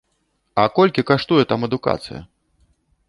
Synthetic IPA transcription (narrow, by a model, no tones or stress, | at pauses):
ɐkɔlʲkʲikaʂt̪ujɛt̪amɛd̪uka̰t̪sɨ̰jɐ̰